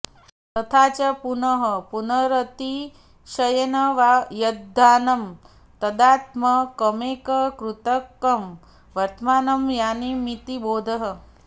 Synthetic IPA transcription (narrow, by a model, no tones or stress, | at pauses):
t̪ɐt̪ʰaːt͡ʃɐpunɐɦɐpunɐɾɐt̪i | ʃɐjɐnɐʋajɐd̪ʱːaːnɐm | t̪ɐd̪aːt̪̚mɐkɐmeːkɐkɾut̪ɐkːɐm | ʋɐɾt̪maːnɐmjaːnimit̪iboːd̪ʱɐɦə